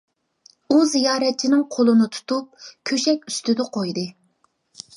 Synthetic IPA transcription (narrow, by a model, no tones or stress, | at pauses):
uzijɑːɾɛt̪̚t͡ʃʰinɪŋqʰolˠɨnɨt̪ʰu̥t̪ʰup̚kʲʰøʃɛkʲyst̪ɪd̪ɛqʰojd̪ɨ